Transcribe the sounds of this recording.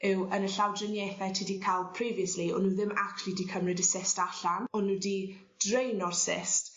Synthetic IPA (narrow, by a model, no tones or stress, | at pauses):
ɪwənəɬawdrənjɛθɛtʰidikʰalˠpʰr̥iːviəsliɔnuːðɪmakʰlidikʰəmrɪdəsɪstaɬanɔnuːdi | d̥rejnɔrsɪ̰st